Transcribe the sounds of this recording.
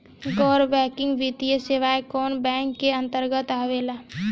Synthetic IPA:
ɡɔːɾbɛːkɪ̃ŋɡʋit̪ijəseʋaekɔːnbɛ̃ːŋkːeə̃nt̪əɾɡət̪aːʋela

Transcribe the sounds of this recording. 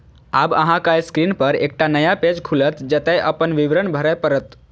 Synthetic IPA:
abəɦãkajskɾinpəɾḛːk̚ʈanəjaped͡ʒkʰulət̪d͡ʒət̪ɛʔəpənʋiʋɾənbʱəɾəjpəɾət̪

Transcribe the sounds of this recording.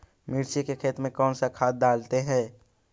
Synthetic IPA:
mɪɾt͡ʃikekʰeːt̪mẽkɔːnsakʰaːt̪̚d̪aːlt̪eɦɛ̃ː

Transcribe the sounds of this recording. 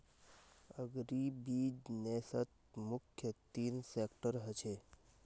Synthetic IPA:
əɡɾibid͡ʒneːsət̪̚ | mʊkʰːjət̪iːnsekʈəɾɦət͡ʃʰe

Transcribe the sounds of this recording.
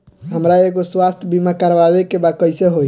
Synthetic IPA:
ɦəmɾaeɡoswast̪ʰjəbʱimakəɾβabekebakəɪseɦoj

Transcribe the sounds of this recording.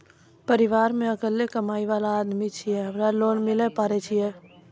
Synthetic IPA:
pəɾiʋaːɾmẽəkəljekəmaːiʋaːlaːd̪mit͡ʃʰijɛɦəmɾaloːnmɪlɛpaːɾɛt͡ʃʰijɛ

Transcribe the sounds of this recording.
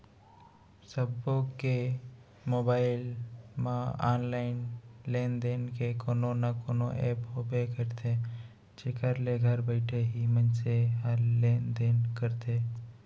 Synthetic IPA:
səbõke | moːbaːɪlmãa̰ːnlaːɪnleːnd̪eːnkekoːnonakoːnoʔeːpɦoːbekəɾt̪ʰe | t͡ʃekəɾleɡʱəɾbəɪʈʰeɦimə̃nseɦaɾleːnd̪eːnkəɾt̪ʰeː

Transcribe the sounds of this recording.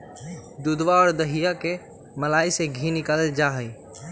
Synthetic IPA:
d̪ʊd̪ʋaɔːɾd̪əɦijake | məlaːiseɡʱĩnɪkəled͡ʒaːɦəiː

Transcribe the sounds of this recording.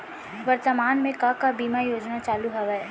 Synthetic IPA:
ʋɐɾt̪əmaːnmẽkakabiːmajoːd͡ʒnat͡ʃaːluɦɐʋɛ

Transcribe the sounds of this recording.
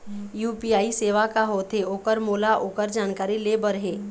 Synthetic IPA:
juːpiaːiseːʋakaɦoːt̪ʰeoːkəɾmoːlaʔoːkəɾd͡ʒaːnkaːɾileːbəɾɦeː

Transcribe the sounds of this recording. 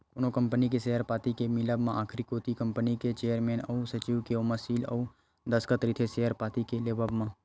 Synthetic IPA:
konõkə̃mpənik̬esejəɾpaːt̪ikemɪləbmãʔaːkʰɾikoːt̪ikə̃mpəniket͡ʃeːəɾmeːnɔusət͡ʃiwkeoməsiːlɔ̰u | d̪əskət̪ɾiːt̪ʰesejəɾpaːt̪ikeleːbəbmãː

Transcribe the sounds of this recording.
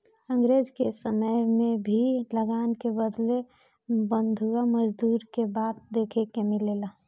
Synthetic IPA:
ə̃ŋɡɾeːd͡ʒkesəməjmẽbʱiləɡaːnkebəd̪le | bə̃nd̪ʱuwaməd͡ʒd̪uːɾkebaːt̪̚d̪eːkʰekemɪleːla

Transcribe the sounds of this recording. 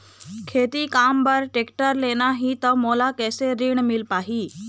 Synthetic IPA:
kʰeːt̪ikaːmbəɾʈeːkʈəɾleːnaɦit̪əmolakɛːseɾiɳ̃mɪlpaːɦiː

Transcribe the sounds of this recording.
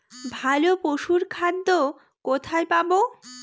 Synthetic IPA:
bʱalopoʃuɾkʰad̪ːo | kot̪ʰajpabo

